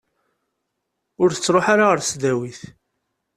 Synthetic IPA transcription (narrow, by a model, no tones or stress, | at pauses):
ʊɾθə̥t͡sːɾˤoħaɾaʁəɾsd̪æwiθ